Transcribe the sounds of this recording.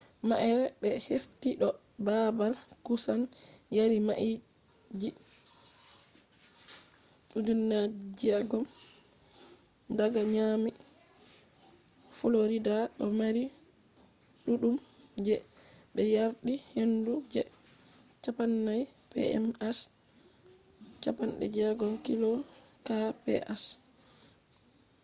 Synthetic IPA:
maʔɛɾɛbɛheftiɗɔ | babalkusanjaɾimaʔi | d͡ʒi | ɗudunːad͡ʒiaɡɔm | daɡaɲami | fɔloɾidaɗɔmaɾi | ɗuɗumd͡ʒɛɓɛjaɾɗihendud͡ʒɛ | t͡ʃapanːajpɛ̰ɛ̰mas | t͡ʃapanɗɛ̰d͡ʒɛɡɔmkilɔkapɛ̰ʔas

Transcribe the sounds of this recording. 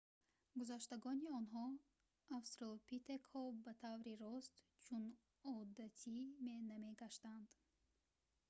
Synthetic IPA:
ɡuzaʃt̪aɡɔniɔnɦɔ | afst̪ɾolpit̪ekhɔbat̪ʰavɾiɾɔst̪t͡ʃʰun | ɔd̪at̪ʰime̞name̞ɡaʃt̪and̪̥

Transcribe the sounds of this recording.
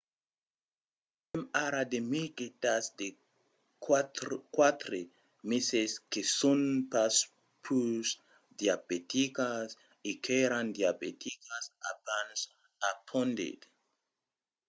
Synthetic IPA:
emaɾad̪emiket̪asd̪e | kwat̪ɾe | meseskesonpas | pʰus | d̪jabet̪ikas | ikʰeɾand̪jabet̪ʰikasa̰pans | apʰõnd̪ḭd̪

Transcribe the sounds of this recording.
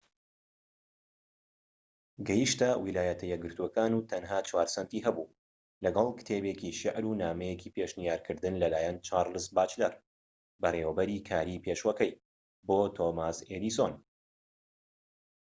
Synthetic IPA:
ɡɐjɨʃt̪ɐwilaːjɐt̪ʰɐjɛɡɨɾt̪uɐkaːnuːt̪ʰɐnɦaːt͡ʃwaːɾsɐnt̪iːɦɐbuː | lɐɡɐlˠkɨ̥t̪ʰeːbekiʃɪʕɾunaːmɛjeciːpeʃnijaːɾkʰɨɾd̪ɨnlɐlaːjɛnt͡ʃaːɾlɨsbaːt͡ʃlɐɾ | bɐreːwɐbɐɾiːkʰaːɾipʰeːʃwɐkɛj | boːt̪ʰomaseːd̪ison

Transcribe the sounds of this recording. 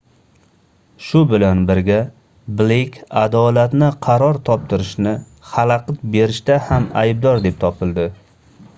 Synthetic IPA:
ʃʊbɪlanbɪɾɡʲa | blekʲʰad̪ɒlat̪nɪqʰɑɾɒɾt̪ʰɒp̚t̪ʰɪɾɪʃnɪ | χalaqɨt̪be̞ɾɪʃt̪ahamajb̚d̪ɒɾd̪e̞p̚t̪ʰɒpʰɪlˠd̪ɪ

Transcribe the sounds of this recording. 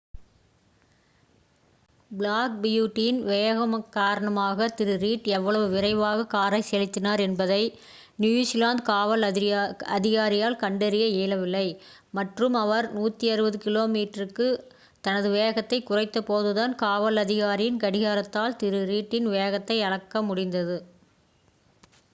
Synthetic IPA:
bɪɭaːk̚bɪjuːʈːɪjɪnʋeːɣɐmkːaːɾɐɳɐmaːɣɐt̪ɪɾɯɾiːʈɛʋːɐɭɐʋɯʋɪɾɐɪʋaːɣɐkaːɾɐɪsɛlɪt̪ːɪnaːɾɛnbɐðɐɪ | njujsɪlaːnd̪̚kaːʋɐlɐðɪɣaːɾɪjaːlkɐɳɖɐɾɪjɐeːlɐʋɪlːɐɪ | mɐʈrɯmɐʋɐɾnuːt̪ːiɐɾɯbɐðɯkɪloːmiːʈɐrɯkːɯ | t̪ɐnɐðɯʋeːɣɐt̪ːɐɪkːʊrɐɪt̪ːɐpoːðɯðaːnkaːʋɐlɐðɪɣaːɾɪjɪnkɐɽɪɣaːɾɐt̪ːaːlt̪ɪɾɯɾiːʈːɪnʋeːɣɐt̪ːɐɪɐɽɐkːɐmʊɽɪnd̪ɐðɯ

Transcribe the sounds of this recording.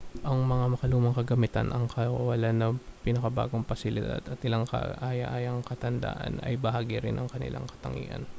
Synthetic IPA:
ʔɐŋmɐŋamɐkɐluːmɐŋkɐɡɐmɪt̪a̰nʔɐŋkɐwɐlanɐpinɐkɐba̰ːɡoŋpɐsɪlɪd̪a̰d̪ɐt̪ɪlaŋkɐ̰ʔaːjɐ̰ʔaːjɐŋkɐt̪ɐnd̪a̰ːʔɐ̰nɐ̰jbɐhaːɡiɾɪnʔɐŋkɐnɪ̰lʔa̰ŋkɐ̥t̪ɐ̰ŋḭːʔɐ̰n

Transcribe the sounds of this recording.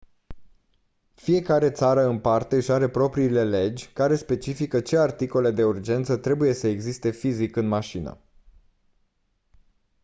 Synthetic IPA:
fije̞kaɾe̞t̪saɾəɨnpart̪e̞ɨʃaɾe̞pɾo̞pɾiːle̞le̞d͡ʒʲkaɾe̞spe̞t͡ʃifikət͡ʃe̞art̪iko̞le̞d̪e̞urd͡ʒe̞nt̪sət̪ɾe̞buje̞səeɡzist̪e̞fizikɨnmaʃinə̰

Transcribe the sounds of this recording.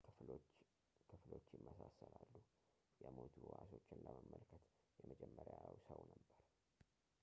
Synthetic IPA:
kʰɨflo̞t͡ʃːjɪmːəsasːəlalːu | jɛmot̪ʰuwaso̞t͡ʃːɪnləməmːəlkʰət̪ | jɛməd͡ʒɛmːəɾjawsəwnəbːəɾ

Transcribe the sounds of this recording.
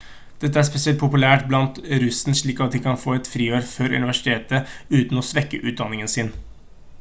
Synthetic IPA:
d̪̥ɛt̪ːəæspɛsɪɛlt̪̚pʰʊpʉlæːʈblɑnt̪ɾʉsn̩ʂɭiːkɑt̪̚d̪ɪkɑnfoːɛt̪fɾiːøːɾfœɾʉ̰nɪʋæʂɪ̥t̪ʰeːt̪əʉːt̪n̩ɔsʋɛkːə̰ʔʉːd̪ɑnːɪŋənsɪn

